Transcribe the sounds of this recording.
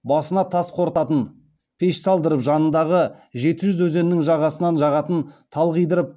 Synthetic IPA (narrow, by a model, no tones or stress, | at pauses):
bɑsənɑt̪ʰɑsqʰo̞ɾt̪ɑt̪ən | pʰeʃsɑlˠd̪əɾəpʒɑnənd̪ɑʁəʒe̞t̪ɪʒʏzwɵze̞nːɪŋʒɑʁɑsənɑnʒɑʁɑt̪ənt̪ʰɑlˠʁəjd̪əɾəp̚